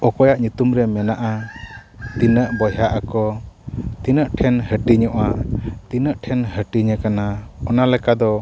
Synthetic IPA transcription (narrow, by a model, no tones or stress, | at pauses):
ɔkɔjaʔɲut̪umɾɛmɛnaʔa | t̪inəʔbɔjaʔakɔ | t̪inəʔʈʰɛnhəʈiɲɔʔat̪inəʔʈʰɛnɦəʈiɲəkanaɔnalɛkad̪ɔ